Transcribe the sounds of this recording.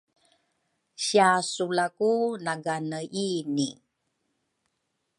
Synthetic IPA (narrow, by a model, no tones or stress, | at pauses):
ɕiasulakunaɡanəini